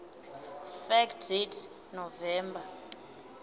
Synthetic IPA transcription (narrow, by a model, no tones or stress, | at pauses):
fɛkdetʰ | nɔvɛːmba